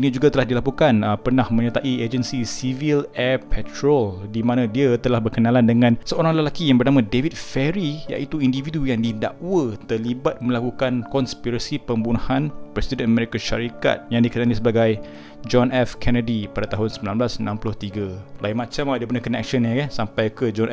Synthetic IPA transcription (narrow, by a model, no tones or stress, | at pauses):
inid͡ʒuɡat̪əlahdilapukanəpərnahmə̃ɲət̪aʔied͡ʒənsisivilɛpʰɛt̪ɾoldimãnãdiat̪əlahbərkənalandəŋãnsəoɾaŋləlakijaŋbərnamãdevit̪̚fɛɾija̰ʔit̪uindividujaŋdida̰ʔwət̪əlibat̪̚mə̃lakukankɔnspiɾasipəmbunuhanpɾɛsidənamɛɾikaʃaɾika̰t̪̚jaŋdikənalisəbaɡaj | d͡ʒɔnɛfkʰɛnədipadat̪aɦʊnsəmbilanblasnãmplʊht̪iɡalaimãt͡ʃamadiəpənakənɛ̰k̚ʃənəkansampajkəd͡ʒɔn